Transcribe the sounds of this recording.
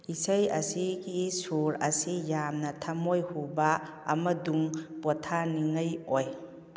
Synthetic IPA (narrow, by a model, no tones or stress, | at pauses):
isəjɐsiɡisuɾɐsijamnɐtʰɐmojhuba̰ː | mɐduŋbɔtʰaniŋɐjoj